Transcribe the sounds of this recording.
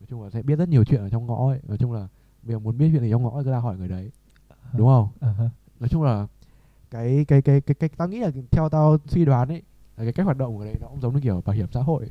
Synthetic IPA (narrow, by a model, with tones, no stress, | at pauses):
nɔ˨˦jt͡ɕʊ˧ŋ͡mlaː˨˩sɛ̰˧˥ɓi˦˥ət̚zə˦˥t̚ɲi˨˩əwt͡ɕwḭ˧˨nəː˧˩t͡ɕɔ˧wŋ͡mŋɔ̰˧˥˨nɔ˨˦jt͡ɕʊ˧ŋ͡mlaː˨˩ | ɓə˧jzəː˨˩mu˨˦ənɓi˦˥tt͡ɕwḭ˧˨i˨˩ɔ˧ŋ͡mŋɔ̰˧˥˧kɨ˨˦zaː˧˩hɔ˧˩jŋɨ˨˩əjɗə˨˦j | ɗʊ˨˦ŋ͡mhə˧wŋ͡m | nɔ˨˦jt͡ɕʊ˧ŋ͡mlaː˨˩ | kaː˨˦jkaː˨˦jkaː˨˦jkaː˨˦jkaː˨˦˥j̚t̪aː˧wŋḭ˧˥laː˨˩t̪ʰɛ˧wt̪aː˧wswi˧ɗwaː˨˦nʔə˨˦j | laː˨˩kaː˨˦jka˦˥k̚waː˨˩ɗə̰˧˨ŋ͡mnɔ˨˦kʊ˧˥ŋ͡mzə˨˦ŋ͡mnɨ˧ki˧˩˨ɓa˨˩hi˧˩əmsa̰ː˧˥ɦo̰˧˨jʔ